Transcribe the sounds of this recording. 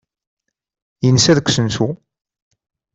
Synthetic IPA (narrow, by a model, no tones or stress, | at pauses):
jənəsæðkʷːsənsu